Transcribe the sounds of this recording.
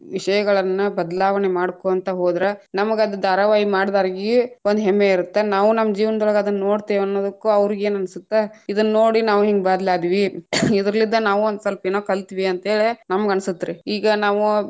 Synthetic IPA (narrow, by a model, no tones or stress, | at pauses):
ʋiʂɐjɐɡɐɭɐnːɐbɐd̪ɐlaːʋɐnemaːɽkoːɐnt̪ɐɦo̞ːd̪ɾenɐmɐɡɐd̪ud̪aːɾɐʋaːɦimaːɽd̪aːɾɡiond̪uɦɛmːeiɾut̪ːe̞naːʋunɐmːɐd͡ʒiːʋɐnɐd̪ɔlɭɐɡɐːd̪ɐnːno̞ːɽt̪eʋɐnːoːd̪ɐkːuɐʋɾiɡeːnɐnsut̪ːeid̪ɐnːno̞ːɽinaːʋuɦiŋɡebaːd̪laːd̪iʋiid̪ɾɐlːid̪ːɐnaːʋuond̪sɐlpeːnoːkɐlt̪iʋiɐnt̪ɐɦeːɭinɐmɐɡɐnsut̪ːɾiiːɡɐnaːʋu